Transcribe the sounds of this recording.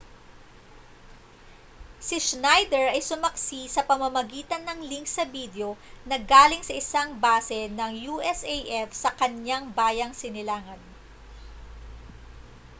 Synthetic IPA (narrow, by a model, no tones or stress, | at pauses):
siʃnajd̪ɛɹʔɐjsʊmɐksisɐpɐmɐmɐɡiːt̪ɐnːɐŋliŋksɐbiːd̪jo̞nɐɡaːlɪŋsɐʔɪsaŋbaːsɛnɐŋjuːʔɛsejʔɛfsɐkɐɲaŋbaːjɐŋsɪnɪlaːŋɐn